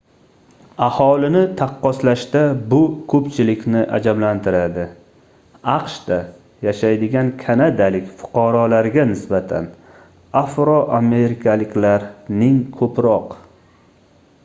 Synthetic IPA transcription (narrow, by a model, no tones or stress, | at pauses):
ahɒlɪnɪt̪ʰaqːɒslaʃt̪abʊkʰɵpt͡ʃʰɪlɪkʲnɪʔa̰d͡ʒablant̪ʰɪɾad̪ɪ | ɑqʃd̪̥a | jaʃajd̪ɪɡʲankʲʰanad̪alɪkʲfʊ̥qʰɑɾɒlaɾɡʲanɪsbat̪ʰa̰n | afɾɒʔame̞ɾɪkʰʲalɪkʲlaɾnɪŋkʰɵpɾɒq